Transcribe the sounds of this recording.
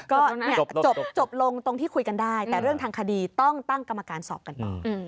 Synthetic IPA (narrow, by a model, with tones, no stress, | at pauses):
kɔː˧˥˩ni˥˩ɐ˨˩t͡ɕo˨˩pt͡ɕo˨˩p̚lo˧ŋt̪o˧ŋt̪ʰiː˥˩kʰu˧jka˧ndaː˥˩jt̪ɛː˨˩ɾɯ˥˩əŋt̪ʰaː˧ŋkʰa˧diː˧t̪ɔ˥˩ŋt̪a˥˩ŋka˧mːa˧kaː˧nsɔ̰˨˩p̚ka˧nt̪ɔ̰ː˨˩